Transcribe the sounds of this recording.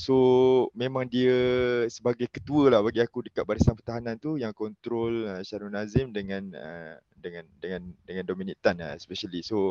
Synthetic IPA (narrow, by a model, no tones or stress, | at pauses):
somemãŋdiəsəbaɡajkət̪uəlahbaɡiakudəkat̪̚baɾəsanpərt̪aɦanãnt̪ujaŋkɔnt̪ɾɔləʃaɾunazɪmdəŋãnə̰ | dəŋãndəŋãndəŋãndominit̪ana̰speʃaliso